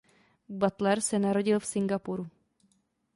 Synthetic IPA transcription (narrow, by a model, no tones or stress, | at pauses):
bat̪lɛɾsɛnaɾo̞ɟɪlfsɪŋɡapuɾu